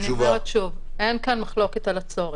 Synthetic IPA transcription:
nuvaaʃuvenkanmaχlo̞ket̪alat͡so̞ʁe

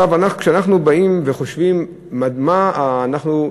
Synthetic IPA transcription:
avanaχkʃeanaχnubaimveχoʃvimː | ad̪manaχnu

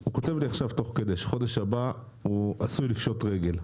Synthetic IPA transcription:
huko̞t̪e̞vliaχʃavt̪o̞χked̪eʃχo̞d̪e̞ʃaba | uasujlifʃo̞t̪ʁe̞ɡe̞l

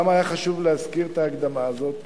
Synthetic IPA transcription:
majaχaʃuvleazkiʁet̪aːɡd̪amaːzo̞t̪

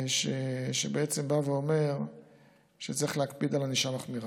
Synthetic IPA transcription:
ʃeʃebeet͡se̞mbave̞o̞me̞ʁ | ʃet͡saʁiχleakpid̪alaniʃamaχmiʁa

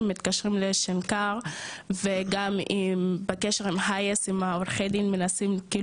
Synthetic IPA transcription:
mːit̪kaʃʁimleʃenkaʁveɡamimbekeʃeʁimɦajesimaoɾχed̪imːenasimkiː

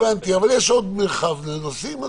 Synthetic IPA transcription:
ant̪iavaljeʃod̪melχavnenosime

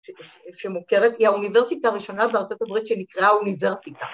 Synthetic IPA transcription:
ʃemokeʁet̪iauniveʁsit̪aʁiʃo̞nabeaʁtt͡sot̪abʁit̪ʃenikʁauniveʁsit̪a

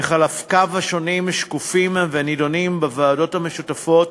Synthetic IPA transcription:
eχalafkavaʃo̞nimʃkufimvenidonimbavaːdo̞thame̞ʃutafo̞t

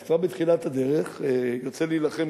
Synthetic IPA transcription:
kvaʁbet̪χilat̪ad̪e̞ʁeχejiʁt͡seliːlaχe̞m

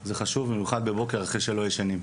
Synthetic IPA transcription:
zeχaʃuvmimjuχad̪̚bebo̞ke̞ʁaχʁeʃe̞lo̞jeʃanim

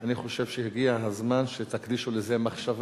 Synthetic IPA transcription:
aniχo̞ʃe̞vʃehiɡiaɦazmanʃet̪akd̪iʃulezemaχʃav

